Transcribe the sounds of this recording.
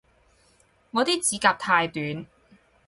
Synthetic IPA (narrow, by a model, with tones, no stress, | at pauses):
ŋɔː˨˧t̪iː˥t͡siː˨˥kaː˧p̚t̪ʰaː˧jt̪yː˨˥n